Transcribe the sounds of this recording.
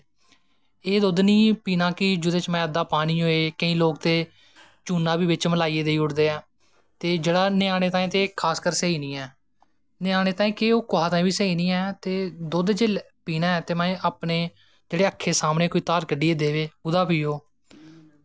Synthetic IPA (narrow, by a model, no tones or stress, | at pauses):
eːd̪oːd̪nĩːpiːnãːkɪd͡ʒʊd̪eːt͡ʃmɛ̃ːəd̪aːpaːniːɦoːeːkəĩːloːkt̪eː | t͡ʃuːnãːbiːʋɪt͡ʃməlaːieːd̪eːiːʊɽd̪eːɛː | t̪eːd͡ʒeːɽaːnɪaːñeːt̪aːĩːt̪eːkʰaːskəɾsəiːnĩːɛː | nɪaːñeːt̪aːĩːkeoːkoɦaːt̪aːĩːbʋiːsəiːnĩːɛːt̪eːd̪od̪d͡ʒeːl | piːnaːɛːt̪eːmɛ̃ːʔaːpneː | d͡ʒeːɽeːəkʰːeːsaːmnẽːkoːiːt̪aːɾkəɖiːeːd̪eːʋeːʊd̪aːpiːoː